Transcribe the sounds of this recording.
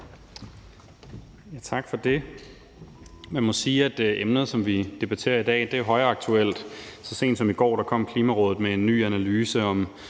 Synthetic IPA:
jæt͡sʰɑ̈ɡ̥fɒ̽d̥e̝ | mænmɒ̽siːæd̥ʔemnəð̩ˠsɒ̽mʋid̥e̝b̥æt͡sʰe̝̰ːɐid̥ɛ̰ːd̥e̝æɦɒ̽ɪɐɑ̈ɡ̥̚t͡sʰuel̰d̥sɒ̽se̝̰ːnd̥sɒ̽miɡ̥ɒ̰ːɾ̥ɑ̈kʰɒ̽m̰kʰliːmæʁɔ̽ːðð̩ˠmee̝nːy̰ːænælyːsəɒ̽m

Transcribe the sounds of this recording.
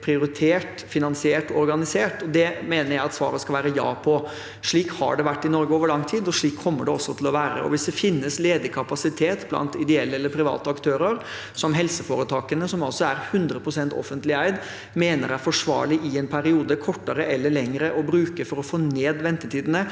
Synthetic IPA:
pʰɾɪʊɾɪt̪ʰeːʈ | fɪnɑnsɪeːʈɔɔɾɡɑnɪseːʈɔd̪ɛmeːnəɾjæɪɑt̪sʋɑ̰ːɾəskɑʋæːɾəjɑ̰ːpʰɔ | ʂɭiːkhɑ̰ɖɛʋæʈːɪnɔɾɡəoːʋəɭɑŋːt̪ʰiːd̪ɔʂɭiːkʰːɔmːəɖɛɔsːɔt̪ʰɪlɔʋæːɾə̰ʔɔ̰ʋɪsd̪ɛfɪnːəsleːd̪əkʰɑpɑsɪt̪ʰeːt̪blɑ̰nt̪ɪd̪ɛɛlːəɛlːəɾpʰɾɪʋɑ̰ːt̪əɑkt̪ʰøːɾəɾ | sɔmɦɛlsəfoːɾət̪ʰɑːkənəsɔmɑlsɔæɾhʉnd̪ɾəpʰɾʊsɛnt̪ɔ̰fənt̪lɪæɪd̪ | meːnəɾæɾfɔʂʋɑ̰ːɭɪʔɪɛnpʰæɾɪuːd̪əkʰɔʈːəɾəʔɛlːəɭɛŋɾəʔɔbɾʉːkəfɔɾɔfoːneːd̪ʋɛnt̪ət̪ʰiːd̪ənə

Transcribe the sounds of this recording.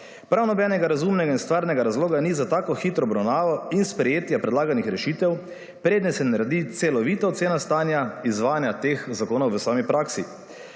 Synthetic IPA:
pɾawnɔbɛːnɛɡaɾazumnɛɡainst̪ʋaːɾnɛɡaɾazloːɡanizat̪aːkɔxit̪ɾɔːbɾawnaːʋɔinspɾɛjeːt̪japɾɛd̪laːɡanixɾɛʃiːt̪ɛw | pɾeːd̪nɛsɛnaɾad̪it̪sɛlɔʋit̪aot̪seːnast̪aːnjaizʋaːnjat̪exzakoːnɔwʋəsaːmipɾaːksi

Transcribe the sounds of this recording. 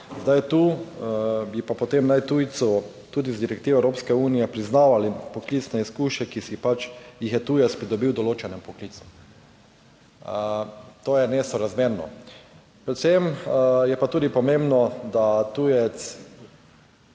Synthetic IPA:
zd̪ajt̪u | bipapɔt̪emnajt̪ujt̪sɔ | t̪uːd̪izd̪iɾɛk̚t̪iːʋɛwɾoːpskɛuːnijɛpɾiznaːʋalipɔklit̪snɛiskuːʃɛkisipat͡ʃjixjɛt̪uːjɛt̪spɾid̪ɔbiwd̪ɔloːt͡ʃɛnɛmpɔkliːt̪su̥ | t̪oːjɛneːst̪ɔɾazmeːɾnɔ̰ | pɾɛt̪semjɛpat̪uːd̪ipɔmẽmbnɔd̪at̪uːjɛt̪s

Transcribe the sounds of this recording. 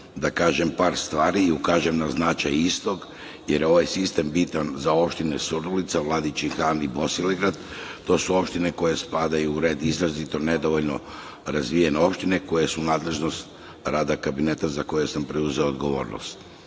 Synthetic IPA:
d̪akaːʒe̞mpaːɾst̪ʋaːɾiːukaːʒe̞mnaznat͡ʃajist̪o̞ɡ | jeɾjo̞ʋajsist̪e̞mbit̪anzao̞pʃt̪inesuɾulit̪saʋlˠad̪it͡ʃixaːnibo̞siliɡɾad̪t̪o̞suo̞pʃt̪ine̞ko̞jespad̪ajuːɾe̞ːd̪izɾazit̪o̞ne̞d̪o̞ʋo̞ʎno̞ | ɾazʋijeneo̞pʃt̪ine̞ko̞jesunaːd̪le̞ʒno̞st̪ | ɾaːd̪akabine̞t̪azako̞jesampɾeuze̞ood̪ɡo̞ʋo̞̰ːɾno̰st̪

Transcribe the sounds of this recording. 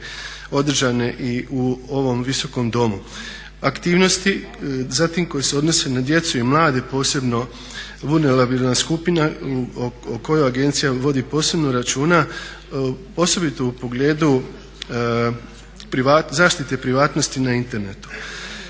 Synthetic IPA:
o̞d̪r̩ʒane̞ʔiʔuo̞ʋo̞mʋiso̞ko̞md̪o̞mu | akt̪iːʋno̞st̪i | zat̪imko̞jeseo̞d̪no̞se̞nad̪je̞t̪suimlˠaːd̪e̞po̞ːse̞bno̞ | bunelabilnaskupina | oko̞joaɡe̞nt̪sijaʋo̞d̪ipo̞ːse̞bno̞ɾat͡ʃuːna | po̞so̞bit̪o̞upo̞ɡle̞ːd̪u | pɾiʋazaːʃt̪it̪e̞pɾiʋaːt̪no̞st̪inaint̪e̞ɾne̞t̪u̥

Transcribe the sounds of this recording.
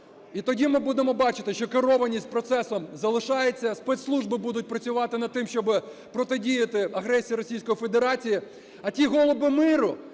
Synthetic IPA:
it̪ɔdʲimɪbud̪emɔbɑt͡ʃɪt̪ɪʃt͡ʃɔkeɾɔʋɐnʲisʲt̚ʲpɾɔt̪sɛsɔmzɐlˠɪʃɑjet͡sʲːɐspɛt̪slˠuʒbɪbud̪ʊt̚ʲpɾɐt͡sʲʊʋɑt̪ɪnɐd̪̚t̪ɪmʃt͡ʃɔbɪ | pɾɔt̪ɪdʲijɐt̪ɪɐɦɾɛsʲijiɾɔsʲijsʲkɔjife̞d̪eɾɑt͡sʲiji | ɐtʲiɦɔlˠɔbɪmɪɾʊ

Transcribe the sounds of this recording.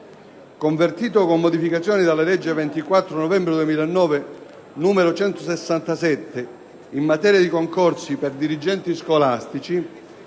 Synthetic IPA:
koɱvert̪iːt̪okomːod̪ifikat̪sjɔːnid̪alːelɛd͡ʒːevɛnt̪ikwat̪ːɾonovɛmbɾed̪uemiːlanːɔːve | numeɾot͡ʃɛnt̪osesːant̪asɛt̪ːe | imːat̪ɛːɾjad̪ikoŋkɔrsiperd̪iɾid͡ʒɛnt̪iskolast̪it͡ʃi

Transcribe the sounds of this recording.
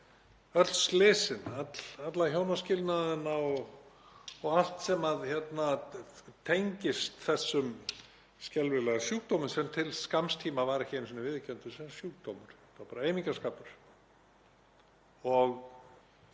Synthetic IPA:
œt̪lslɪːsɪnat̪lat̪laçjoːwnascɪlt̪naðɪnaɔɣ | ɔɣal̥t̪sɛmaðçɛt̪nat̪ʰejɲcɪst̪θɛsːʏm | scɛlvɪlasjuːkt̪owmʏnsɛmt̪ʰɪlskamst̪ʰiːmavaɾɛçɪnsinɪvɪðcœnt̪ʏsɛmsjuːk̚t̪oːmʏɾ̥t̪apaːɾaejmiɲŋkaskaːpʏɾ̥ | ɔɣ

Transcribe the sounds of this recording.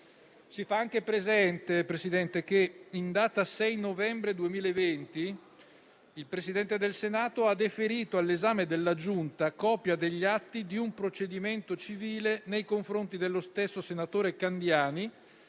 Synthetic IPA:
sifaaŋk̟epɾezɛnt̪epɾesid̪ɛnt̪ek̟eind̪aːt̪asɛjnovɛmbɾed̪uemiːlaevent̪i | ilpɾesid̪ɛnt̪ed̪elsenaːt̪oad̪efeɾiːt̪oalːezaːmed̪elːad͡ʒunt̪akɔːpjad̪eʎːat̪ːid̪iumpɾot͡ʃed̪iment̪ot͡ʃiviːlenejkoɱfɾont̪id̪elːost̪esːosenat̪oːɾekand̪jaːni

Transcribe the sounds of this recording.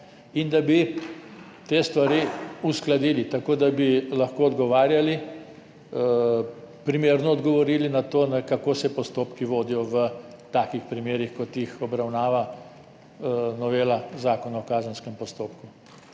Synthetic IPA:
ind̪abi | t̪eːst̪ʋaɾiusklad̪iːlit̪akoːd̪abilɐxkoːɔd̪ɡɔʋaːɾjali | pɾimeːɾnɔːd̪ɡɔʋɔɾiːlinat̪oːnakakoːsɛpɔst̪oːpkiʋoːd̪ijɔʋə | t̪aːkixpɾimeːɾixkɔt̪jixɔbɾawnaːʋa | nɔʋeːlazaːkɔnaɔkaːzənskɛmpɔst̪oːpku

